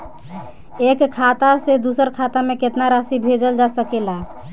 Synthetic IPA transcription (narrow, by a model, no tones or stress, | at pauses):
ekkʰːat̪ased̪usəɾkʰat̪ameket̪naɾasibʱed͡ʒəld͡ʒasəkɛla